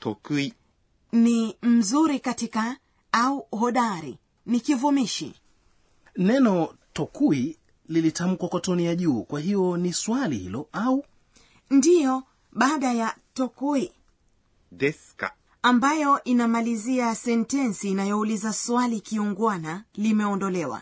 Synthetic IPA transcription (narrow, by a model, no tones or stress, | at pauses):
tɔkui | nim̩zuɾikatika | auɦɔɗaɾḭ | nikivumiʃḭ | nɛnɔtɔkui | lilitam̩kwakɔtɔnijaʄuːkwaɦijɔniswalḭhḭlɔau | ndijɔ | ɓaːɗajatɔkui | dɛska̰ | ambajɔʔinamaliziasɛntɛnsiːnajɔulizaswalikiuŋɡwanalimɛɔndɔlɛwa̰